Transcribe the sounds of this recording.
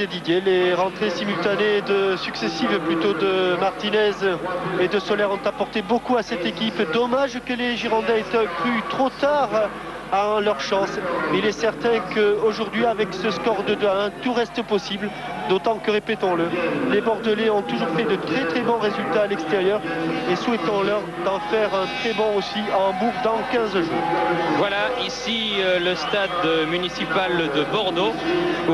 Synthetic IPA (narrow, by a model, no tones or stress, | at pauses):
ed̪id̪jeleʁɑ̃t̪χesimylt̪aned̪əsyksesivplyt̪od̪əmaʁt̪inɛzed̪əsɔlɛʁɔ̃t̪apɔʁt̪ebokuasɛt̪ekʲipd̪ɔmaʒkəleʒiʁɑ̃d̪ɛet̪əkχyt̪χot̪aʁ | alœʁʃɑ̃silɛsɛʁt̪ɛ̃kəoʒuʁd̪ɥiavɛksəskɔʁd̪əd̪əaɛ̃t̪uʁɛst̪əpɔsibl | d̪ot̪ɑ̃kəʁepet̪ɔ̃ləlebɔʁd̪əleɔ̃t̪uʒuʁfɛd̪ət̪χɛt̪χɛbɔ̃ʁezylt̪aːlɛkst̪eʁjœʁeswɛt̪ɑ̃lœʁ | d̪ɑ̃fɛʁɛ̃t̪χɛbɔ̃osiɑ̃bupd̪ɑ̃kʲɛ̃zʒuːʁvwalaisiləst̪ad̪mynisipald̪əbɔʁd̪o